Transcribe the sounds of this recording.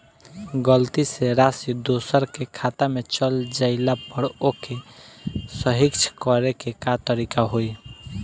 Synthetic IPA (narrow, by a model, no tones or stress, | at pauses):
ɡəlt̪iseɾasid̪osəɾkekʰat̪amet͡ʃəld͡ʒaɪlapəɽoke | səɦikt͡ʃʰkɔɾekekat̪əɾikaɦoj